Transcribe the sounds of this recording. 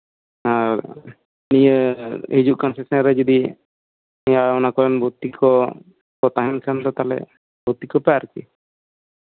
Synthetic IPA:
a | nijəɦid͡ʒuʔkɔnsesɔnɾɛd͡ʒɔd̪i | ɛjaɔnakɔɾɛnbʱot̪ːikɔ | kɔt̪aɦɛnkʰant̪ɔt̪alɛ̰ | bot̪ːikɔpaaɾkḭ

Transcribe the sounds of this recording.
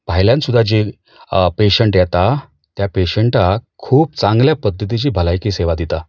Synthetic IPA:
paɦjljãnsud̪ʱːad͡ʑe | peɕəɳʈjɛt̪a | t̪japeɕəɳʈakʰuːp̚t͡sãŋɡljapəd̪ʱːət̪̬it͡ɕiːbʱəlajkiseʋad̪it̪a

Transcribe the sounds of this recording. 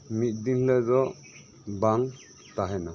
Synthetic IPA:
mit̪̚ˀd̪inlɛzɔ | baŋ | t̪aɦɛna

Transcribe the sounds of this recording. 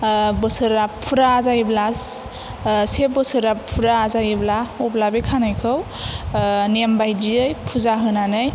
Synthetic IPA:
bɔsɯɾapʰuɾaːzajiblas | sebɔsɯɾapʰuɾaːzajiblaɔblabekʰanɯjkʰɯw | nembajdiɯjpʰuzaɦɯnanɯj

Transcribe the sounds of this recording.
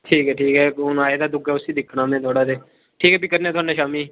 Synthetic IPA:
ʈʰiːkɦɛːʈʰiːkɦɛːnaːeːd̪aːd̪ʊkɛːʊsiːd̪ɪkʰːɽãːmẽːt̪ʰoːɽaːd̪eː | ʈʰiːkɛːbiːkəɾneɛːt̪ʊɦaːnaːʃaːmiː

